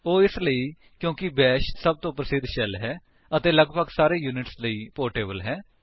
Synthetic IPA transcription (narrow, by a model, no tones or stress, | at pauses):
oːɪsləiː | kjõːkɪbɛːʃsəb̚t̪õːpɾəsɪd̪ʃɛlɦɛː | ət̪eːləɡbəɡsaːɾeːjuːnɪʈsləiːpoːɾʈeːbəlɦɛː